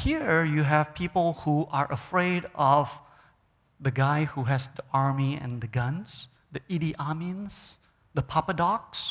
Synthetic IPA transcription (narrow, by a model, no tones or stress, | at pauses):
hiɹjuɦɛvpʰipəlˠhuʔaɹʔəfɹedɔv | ðəɡaɪhuɦɛsdəʔaɹmiɛ̰̃nd̪əɡʌ̃ns | d̪əʔiɾiʔamĩns | d̪əpʰapədɔks